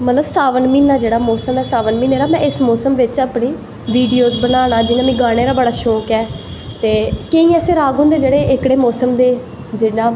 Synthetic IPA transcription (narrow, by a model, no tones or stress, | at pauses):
mət̪ləbsaːʋənmiːnaːd͡ʒeːɽaːmɔːsəmɛːsaːʋənmĩːneːɾaːmɛ̃ːɪsmɔːsəmʋɪt͡ʃaːpniː | ʋiːɖiːoːzbənaːɽaːd͡ʒɪnaːmĩːɡaːɽ̃eːɾaːbəɽaːʃɔːkɛː | t̪eːkeĩːɛːseːɾaːɡɦʊ̃nd̪eːd͡ʒeːɽeːʔɪkɽeːmɔːsəmd̪eː | d͡ʒɪnãː